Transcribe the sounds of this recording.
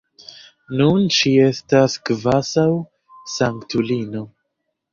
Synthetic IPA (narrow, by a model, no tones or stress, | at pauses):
nunt͡ʃie̞stasɡvasaw | saŋktulino̞